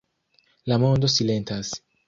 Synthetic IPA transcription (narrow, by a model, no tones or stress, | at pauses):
lamɔnd̪osilent̪ʰasi̥